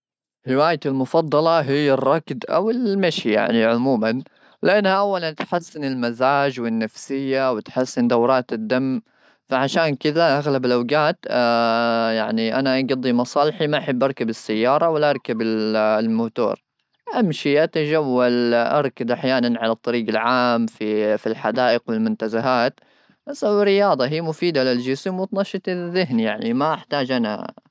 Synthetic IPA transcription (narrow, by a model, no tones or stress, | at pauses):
ɾɪwaːjɪɪlmʊfɑd̪ˤːɑlɑɦɪjːarˤːɑkd̪ʔa̰wɪlmaʃija̰ʕniʕʊmuːman | lɪʔanːhaʔawːalant̪ħasːɪnɪlmazaːd͡ʒwɪnːafsɪjːawɪt̪ħasːɪnd̪awɾˤɑːt̪ɪd̪ːamː | faʕaʃaːnkɪd̪aʔaɣlabɪlʔawɡaːt̪ː | jaʕniʔanaʔaɡɑd̪ˤːimɑsˤɑːlɪħimaʔaħɪbːʔɑɾˤkabɪsːajːɑːɾˤɑwɪlːaʔɑɾˤkabɪllmʊht̪ṵːɾ | ʔamʃiʔat̪ad͡ʒawːalʔɑ̰ɾˤkad̪ʔaħjaːnanʕalat̪ˤːɑɾiːɡalʕaːmfifilħad̪aːʔɪqwɪlmʊnt̪azaɦaːt̪ | ʔasawɪɾːɪjɑːd̪ˤɑɦiːmʊfiːd̪alɪld͡ʒɪsɪmwɪt̪nɑʃɨt̪ðɪɦnijaʕnimaʔaħt̪aːd͡ʒʔana̰